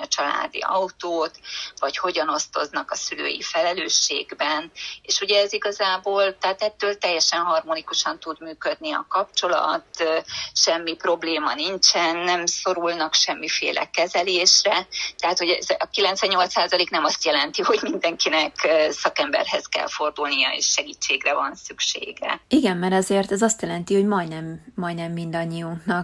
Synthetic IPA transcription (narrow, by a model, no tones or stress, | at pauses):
ɒt͡ʃɒla̰ːd̪ḭɒwt̪oːt̪ʋɒcho̞ɟɒno̞st̪o̞znɒkɒsylø̰ːjḭfɛlɛløːʃːḛːɡbɛneːʃuɟɛːziɡɒzaːboːlt̪ɛɦaːt̪ɛt̪ːøːlt̪ɛjːɛʃɛnɦɒrmonikuʃɒnt̪ud̪myːkød̪niɒ̰kɒpt͡ʃo̞lɒ̰t̪ʃɛmːipro̞bleːmɒnint͡ʃɛnːɛmso̞ɾulnɒkʃɛmːifḛːlʔɛ̰kɛzɛleːʃrɛt̪ɛɦaːt̪ho̞ɟɛzɒkilɛnsʋɛɲːo̞lt̪saːzɒleːknɛmɒst̪jɛlɛnt̪iho̞ɟmind̪ɛŋkinɛkːsɒkɛmbɛ̰rhɛzkɛ̰lfo̞rd̪ulnijɒ̰ḛːʃʃɛɡiːt͡ʃːeːɡrɛvɒnsykʃḛːɡɛ̰iɡɛmmɛɾɛzeːrt̪ɛzɒst̪jɛlɛnt̪iho̞ɟmɒjnɛmːɒjnɛmːind̪ɒɲːijuŋknɒk̚